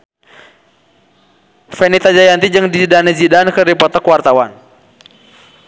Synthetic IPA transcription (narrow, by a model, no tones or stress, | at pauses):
fɛnit̪ad͡ʒajant̪id͡ʒɨŋdizidanizidankəripɔt̪akuwart̪awan